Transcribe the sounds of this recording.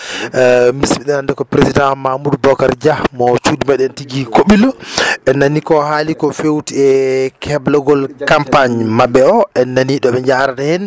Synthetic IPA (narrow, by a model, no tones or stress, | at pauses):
misɓiɗɛnandɛkɔpɾesidãmamudbɔkaɾd͡ʒahmɔt͡ʃuːdimaɗɛntiɡikoɓilɔɛnːanikɔhalikɔfewtiɛkʰɛblɔɡɔlkampaɲmaɓɛɔɛnːaniɗɔɓɛɲd͡ʒaɾadahɛn